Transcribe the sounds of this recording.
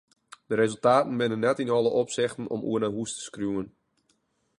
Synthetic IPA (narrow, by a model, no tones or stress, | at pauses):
dəɾezəlˠtaːtən̩bɪnənːɛtinɔlˠəʔopsɪxtn̩ɔ̰mʔṵərnaɦustə̥skrjuːən